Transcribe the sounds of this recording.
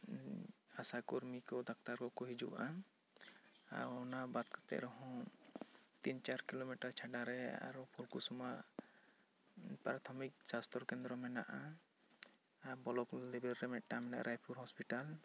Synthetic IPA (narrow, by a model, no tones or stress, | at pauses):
asakuɾmikɔd̪ak̚t̪aɾkɔkɔɦid͡ʒṵʔa̰ | a̰ɔnabat̪kḁt̪ɛ̰ʔɾɔɦɔ̃ | t̪int͡ʃaɾkilomiʈaɾt͡ʃʰaɖaɾɛa̰ɾɔpʰulkusumaʔ | paɾat̪ʰɔmik̚sast̪ɾɔɾkɛnd̪ɾɔmɛnaʔa | abɔlɔklebɛɾːɛmɛʔʈamɛna̰ʔɾʔajpʰuɾɦɔspiʈal